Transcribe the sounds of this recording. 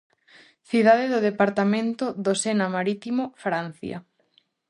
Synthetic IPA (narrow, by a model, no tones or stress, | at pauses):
θiðaðeðoðepaɾt̪amẽnt̪oðosenamaɾit̪imofɾan̟θja̰